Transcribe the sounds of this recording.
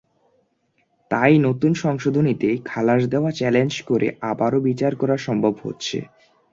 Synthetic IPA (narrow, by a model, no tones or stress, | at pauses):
t̪ajnot̪unʃɔŋʃod̪ʱonit̪ekʰalaʃ̬d̪eoat͡ɕɛlend͡ʑkoɾḛʔabaɾobit͡ɕaɾkɔɾaʃɔmbʱobɦo̰tːɕʰḛ